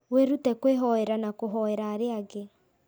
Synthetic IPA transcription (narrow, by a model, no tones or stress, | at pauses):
weɾutɛkweɦɔeɾanakoɦɔeɾaːɾeaɡe